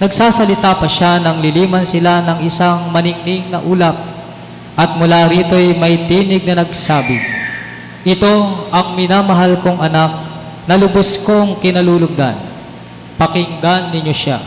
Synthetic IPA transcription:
nɐɡsaːsɐlɪt̪apɐʃanɐŋlɪliːmɐnsɪlanɐŋɪsaŋmɐnɪŋniŋnɐʔuːlɐp̚ | ʔɐt̪̚mʊlaɾiːt̪o̞jmɐjt̪iːnɪɡ̚nɐnɐɡsaːbɪ̰ | ʔɪt̪o̞ʔɐŋmɪnamɐɦalkoŋʔɐnak̚ | nɐlʊbʊsko̞ŋkɪnɐluːlʊɡ̚d̪a̰n | pɐkɪŋɡ̪anːɪɲːo̞ʃa̰

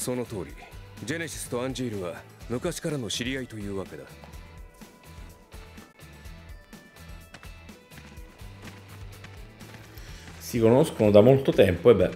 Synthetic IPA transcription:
so̞no̞t̪o̞ːɾʲḭd͡ʑe̞neɕi̥sɨ̥t̪o̞ãɲ̟d͡ʑiːɾɯ̟βamɯ̟kaɕi̥kaɾano̞ɕiɾʲiait̪o̞jɯ̟ːβake̞d̪a | sikonoskonod̪amolt̪ot̪ɛmpoebɛ

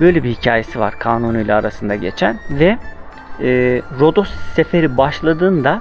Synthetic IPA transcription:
bø̞jlʲebihicʰaːje̞siva̰ɾkʰaːnunujlʲaːɾasɯnd̪aɟe̞̰t͡ʃʰænvɛː | ɾo̞d̪o̞sse̞fe̞ɾibaʃlˠad̪ɯːnd̪a

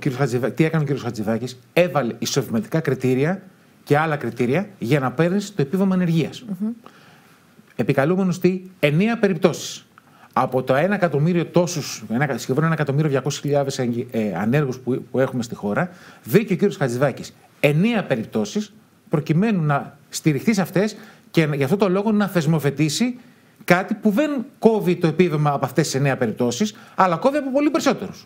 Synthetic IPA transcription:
ociɾiosɐt͡siɐt̪ie̞kɐneo̞ciɾiosxɐt͡siðɐcise̞vɐleiso̞vimɐt̪i̥kɐkɾit̪iɾiɐ | ce̞ɐlɐkɾit̪iɾiɐʝɐnɐpe̞ɾnist̪o̞e̞pivɐmoene̞ɾʝiɐs | e̞pikɐlume̞nost̪ie̞neɐpe̞ɾip̚t̪o̞si̥s | ɐpo̞t̪oe̞nɐkɐt̪o̞miɾio̞t̪o̞susenɐsçe̞ðo̞nenɐkɐt̪o̞miɾio̞ðʝɐko̞si̥sçiʎɐðe̞sɐ̰ne̞ɾɣusppue̞xumest̪ixo̞ɾɐðiceociɾiosɐt͡siðɐcis | e̞neɐpe̞ɾip̚t̪o̞sis | pɾo̞cime̞nunɐ | st̪iɾixt̪isɐft̪e̞s | cenʝɐft̪ot̪o̞lo̞ɣo̞nɐθe̞zmo̞fe̞t̪isi | kɐt̪ipuðe̞nko̞vit̪o̞epivevmɐːpɐft̪esiseneɐpe̞ɾip̚t̪o̞sisɐlɐko̞viɐpo̞po̞lipe̞ɾiso̞t̪e̞ɾus

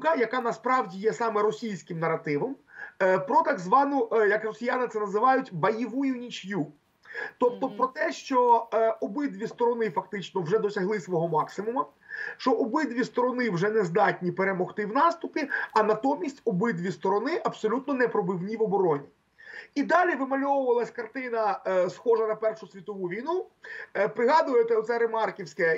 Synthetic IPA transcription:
kɐjɐkɑnɐspɾɑwdʲijɛsɑmɛɾɔsʲijsʲkɪmnɐrːɐt̪ɪʋɔmpɾɔt̪ɑɡzʋɑnʊjɐkrɔsʲijanɪt̪sɛnɐzɪʋɑjʊtʲbɐjiʋujʊnʲit͡ʃju | t̪ɔp̚t̪ɔptpɾɔt̪ɛʃt͡ʃɔɔbɪd̪ʋʲist̪ɔɾɔnɪfɐkt̪ɪt͡ʃnɔwʒɛd̪ɔsʲɐɦlˠɪsʋɔɦɔmɑksɪmʊmɐ | ʃt͡ʃɔʔɔbɪd̪ʋʲist̪ɔɾɔnɪwʒɛnɛzd̪ɑtʲnʲipeɾemɔxt̪ɪwnɑst̪ʊpʲiɐnɐt̪ɔmʲisʲtʲɔbɪd̪ʋʲist̪ɔɾɔnɪʔɐbsɔlʲut̪̚nɔnɛpɾɔbɪwnʲiʋɔbɔɾɔnʲi | id̪ɑlʲiʋɪmɐlʲɔʋʊʋɐlˠɐsʲkɐrt̪ɪnɐsxɔʒɐnɐpɛrʂʊsʲʋʲit̪ɔʋuʋʲijnu | pɾɪɦɑd̪ʊjet̪ɛɔt̪sɛɾemɑrkʲiwsʲkɛ

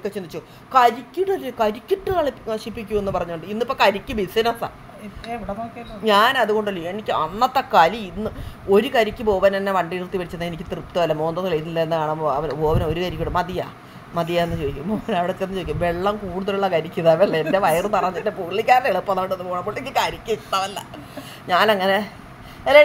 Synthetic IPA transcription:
kːet͡ɕːind̪it͡ɕːu | kɐɾikʲːiɽɐlːɨkɐɾikʲːiʈːɨɐɭikɐʂipːikʲːuenːɨpɐrɐɲːuoɳɖɨinːipːokɐɾikʲːumbisɐnɐsa̰ | ʋiɽeokeɲaːnɐðuɣo̞ɳɖɐlːienikʲːɨɐnːɐt̪ːɐkːaːliinːɨo̞ɾukɐɾikʲːɨbo̞ːʋɐnenːeʋɐɳɖiːrt̪ːipɐɽit͡ɕːɐnːenikʲːɨt̪rɨpt̪ːuʋɐlːɐmo̞ːnd̪ɐt̪ːɐlejt̪inːilːɐenːɨkaːɳamoɐʋɐnbo̞ːʋɐnoɾukɐɾikʲːuɽɨmɐd̪ija̰ː | mɐðijaːenːɨt͡ɕoːjikʲːumboːʋɐnɐʋiɽɐt̪ːenːɨoːikʲːumʋe̞ɭːɐmkuːɽuðɐluɭːɐkɐɾikʲːuɨðaʋɐɐlːɐende̞ʋɐjɐrunːɐrɐɲːendepuɭːikʲːaːɾneɭupːɐnːaːɳɖɐnːupoːɳamːboɭeikʲːɨkɐɾikʲːuit̪ːaʋɐlːɐ̰ | ɲaːnɐŋːɐne̞ | elːe

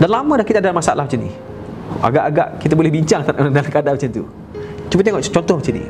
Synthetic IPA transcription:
danlamə̃dakit̪adalmasaa̰lʔahmat͡ʃinḭ | a̰ɡaʔaɡa̰ʔkit̪abolɛhbiɲt͡ʃaŋt̪adalkadamat͡ʃant̪ṵ | t͡ʃumət̪eŋɔʔt͡ʃɔnt̪ɔhmat͡ʃinḭ

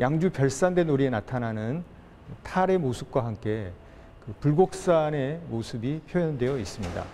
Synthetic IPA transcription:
jʔaŋd͡ʑupjʌɭs͈andwe̞noɾienatʰanɦanɯn | tʰaɾe̞mosʰɯp̚k͈waɦamk͈e̞ | kɯpuɭɡok̚s͈ane̞mosʰɯbipʰjojʌndwe̞jʌis͈ɯmɲida̰

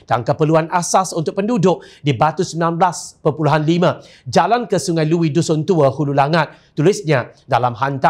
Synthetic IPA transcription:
d̥aŋkəpəluanʔasasunt̪ʊk̚pəndudʊk̚dibat̪usəminanblaspəpuluɦanlimã | d͡ʒalankəsuŋajluwidusʊnt̪uəhululaŋat̪̚ | t̪ːulɪsɲadalamɦant̪a

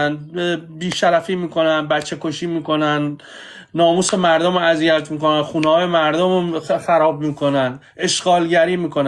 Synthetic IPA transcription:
nbiːʃæɾæfiːmiːkʰo̞nænbæt͡ʃʰːe̞koʃiːmiːko̞næn | nɒːmuːse̞mæɾd̪omæzijæt̪ʰmiːko̞nænxuːnehɒːjemæɾd̪omxæɾɒːbmiːkʰo̞næn | ʔe̞ʃɡ̥ɒːlɟæɾiːmiːkʰo̞næ

